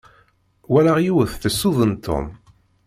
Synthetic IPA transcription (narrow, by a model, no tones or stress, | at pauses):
wælaʁjuwəθθəsːuðˤənt̪ʰːo̰m